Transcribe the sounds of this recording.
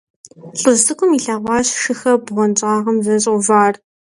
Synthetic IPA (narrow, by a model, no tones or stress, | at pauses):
ɬʼɨztɨkʷʼʊmiɬɐːʁʷɑːɕʂɨxɐbʁʷɔnt͡ʃʼɑːʁɐmzɐɕʼʷʊvaːr